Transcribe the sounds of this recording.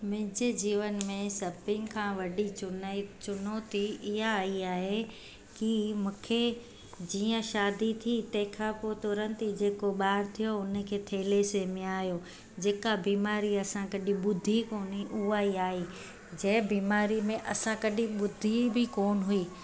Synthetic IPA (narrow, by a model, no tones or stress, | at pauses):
mɪ̃ɦɪ̃d͡ʑɪd͡ʑiːʋənmẽsɐbɪ̃ŋkʰãːʋɐɗit͡ɕʊnt͡ɕʊnot̪ʰiɪɦaːiaːɦe | kimũːkʰe | d͡ʑiːə̃ʃaːd̪it̪ʰit̪ɐ̃ɦɪ̃kʰãːpoːt̪ʊɾə̃nt̪id͡ʑeːkoɓaːɦɪɾt̪ʰijoʊnə̆kʰeːt̪ʰeːlesemɪ̃aːijo | d͡ʑeːkabiːmaːɾiɐsãkɐɗĩɓʊd̪ʱikoːniʔʊɦaːiaːɦiː | d͡ʑɐɦɪ̃biːmaːɾimẽʔɐsãkɐɗĩɓʊd̪ʱibɪkoːnɦʊiː